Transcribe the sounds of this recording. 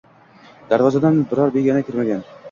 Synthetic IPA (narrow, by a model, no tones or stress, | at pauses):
d̪̥aɾvɑzɑd̪ɑnbɪɾɑɾbeɡʲænakʲiɾmæɡʲan